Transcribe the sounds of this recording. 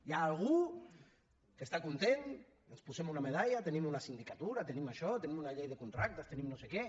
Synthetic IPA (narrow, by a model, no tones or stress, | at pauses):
jaːlɣ̞u | kest̪akunt̪en | enspusemunameðaʎat̪enimunasind̪ikat̪uɾat̪enimaʃɔt̪enimunaʎejðekunt̪ɾak̚t̪est̪enimnosekɛ